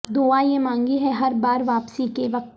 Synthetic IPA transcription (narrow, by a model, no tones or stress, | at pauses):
d̪oːajemãːŋɡiɦɛɦɐɾbaːɾʋaːpsikeʋɐk̪̚